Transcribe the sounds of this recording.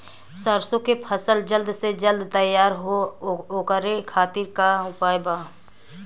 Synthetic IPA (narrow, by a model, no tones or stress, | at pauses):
səɾsõkepʰəsəld͡ʒəld̪sed͡ʒəld̪t̪əjaːɾɦookəɾekʰaːt̪ɪɾkaʊpaːjbaː